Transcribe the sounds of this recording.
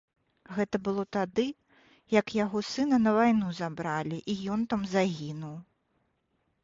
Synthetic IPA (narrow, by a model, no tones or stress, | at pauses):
ɣɛt̪ɐbɨlˠɔt̪ad̪ɨ | jɐkjaɣɔsɨnɐnɐvajnuzabɾalʲiʔijɔnt̪amzaɣʲinuw